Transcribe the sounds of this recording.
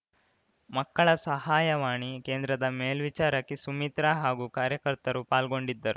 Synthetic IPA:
mɐkːɐɭɐsɐhaːjɐʋaːɳike̞ːnd̪ɾɐd̪ɐmeːlʋit͡ʃaːɾɐkːesumit̪ɾaɦaːɡukaːɾjɐkɐɾt̪ɐɾupaːlɡo̞ɳɖid̪ːɐɾu

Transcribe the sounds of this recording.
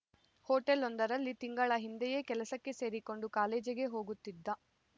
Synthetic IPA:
hoːʈelond̪ɐɾɐlːit̪iŋɡɐɭɐɦind̪ɛje̞ːkɛlɐsɐkːe̞se̞ːɾiko̞ɳɖukaːleːd͡ʒiɡe̞ɦo̞ːɡut̪ːid̪ːɐ

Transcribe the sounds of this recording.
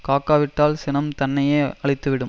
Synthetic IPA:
kaːkːaːʋɪʈːaːlsɪnɐmt̪ɐnːɐjeːɐɭɪt̪ːɯʋɪɽɯm

